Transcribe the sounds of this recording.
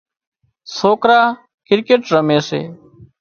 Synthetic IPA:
soːkɾaː | kɪɾkeːʈɾəmeːsḛː

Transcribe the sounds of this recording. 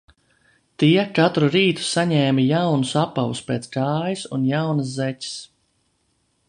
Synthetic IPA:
t̪iɛkat̪ɾuɾiːt̪u̥saɲɛːmʲijawnusapːawṵspʲeːt̪skaːjisunjawnɨszɛtʲi̥s

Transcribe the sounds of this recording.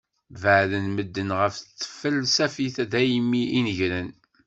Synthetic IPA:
vəʕðənməd̪ːənʁəft̪ːə̥fəlsæfiθæðæjmːiʔinəʝɾən

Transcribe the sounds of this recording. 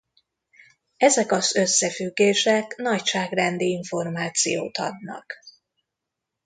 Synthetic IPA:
ɛzɛkɒzø̞sːɛfyɡːeːʃɛknɒcʃaːɡrɛnd̪iiɱfo̞rmaːt̪sḭjo̰ːt̪ɒ̰d̪nɒ̰k

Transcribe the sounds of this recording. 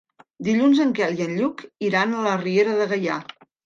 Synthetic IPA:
d̪iʎunzəŋkɛliənʎukiɾanələrieɾəðəɣəja̰

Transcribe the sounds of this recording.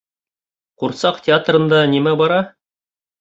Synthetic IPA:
quɾsɑqtʲɪat̪rɤ̆nd̪ɑnimæbɑɾɑ

